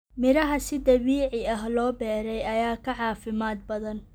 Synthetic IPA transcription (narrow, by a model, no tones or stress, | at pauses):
mɪɾɐɦɐsɪd̪ɐβiːʕɪɐɦlɔːbɛːɾɛjɐjaːkʰɐʕɑːfɪmaːd̪̚bɐðɐn